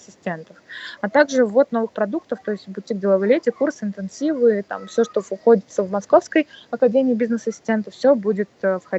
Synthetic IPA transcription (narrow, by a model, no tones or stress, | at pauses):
sʲɪsʲtʲent̪əfɐt̪aɡʐɨvo̞t̪no̞vɨxpɾɐd̪ukt̪əft̪o̞ɪsʲtʲbʊtʲːiɡ̚dʲɪlˠɐvɨlʲetʲɪkursɨɪnt̪ɨnsʲivɨt̪a̰mfsʲoʂt̪ovxo̞dʲɪt̪səvmɐsko̞fskəjɐkɐdʲemʲɪːbʲiznɨsɐsʲɪ̥sʲtʲe̞nt̪əfsʲobudʲɪt̪ːfxɐ